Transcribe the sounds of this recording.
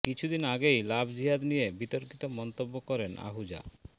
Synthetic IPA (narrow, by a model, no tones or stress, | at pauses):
kit͡ɕʰud̪inaɡejlabd͡ʑiɦad̪nijebit̪oɾkit̪omɔnt̪obːokɔɾena̰ɦud͡ʑa̰